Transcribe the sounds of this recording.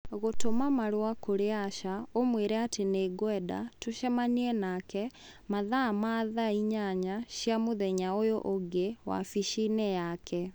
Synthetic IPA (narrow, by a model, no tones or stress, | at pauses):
ɣotomamaɾowakoɾeaʃaomweɾɛateneɡwɛda̰toʃɛmaniɛnakɛ | maðamaðaiɲaɲaɕjamoðɛɲaojoʔoɡewa̰fiʃinejakʰɛ